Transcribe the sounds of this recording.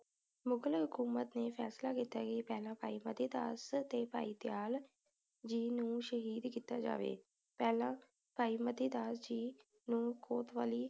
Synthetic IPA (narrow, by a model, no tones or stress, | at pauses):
mʊɡəlɦʊkuːmət̪neːpʰɛːslaːkiːt̪aːkipɛːlãːpaːiːməd̪iːd̪aːst̪eːpa̰ːiːt̪ɪjaːl | d͡ʒiːnũːʃəɦiːd̪kiːt̪aːd͡ʒa̰ːʋḛː | pɛːlãː | paːiːməd̪iːd̪aːsd͡ʒiː | nũːkʰoːt̪ʋaːliː